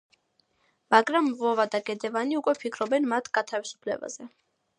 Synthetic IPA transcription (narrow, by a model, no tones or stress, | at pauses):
maɡɾamvɔvad̪aɡɛd̪ɛvaniukʼwɛpʰikʰɾɔbɛnmat̪ʰɡ̥at̪ʰavisu̥pʰlɛ̰ba̰z̥ɛ